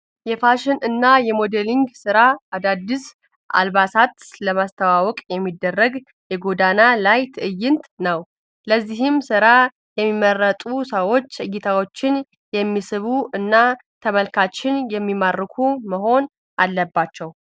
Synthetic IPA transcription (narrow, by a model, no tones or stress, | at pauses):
jɛfaʃɪnɨnːajɛmo̞d̪eliŋɡsɨɾaːd̪ad̪ːis | ʔa̰lβasat̪ləmast̪ʰəwawɔkʼjɛmːid̪ːərːəɡ | jɛɡo̞d̪analajt̪ʰɨʔɨjːɪnt̪ʼnəw | ləzːihɪmsɨɾa | jɛmːimːərːət̪ʼusəwo̞t͡ʃːɨɡit̪ʰawo̞t͡ʃːɪn | jɛmːisɨβuɨnːa | t̪ʰəməlkʰat͡ʃːɪnjɛmːimarːɨkʰuməɦo̞n | ʔalːəbːat͡ʃːɛw